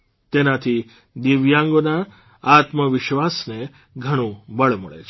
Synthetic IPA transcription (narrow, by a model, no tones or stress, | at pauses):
t̪enat̪ʰi | d̪iʋjãŋɡona | at̪məʋɪʃʋasne | ɡʱəɽ̃ũbəɭmə̰ɭḛt͡ʃʰe